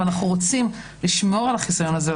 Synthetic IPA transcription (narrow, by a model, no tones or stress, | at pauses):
anaχnuʁo̞t͡simliʃmo̞ʁalaχisajo̞naze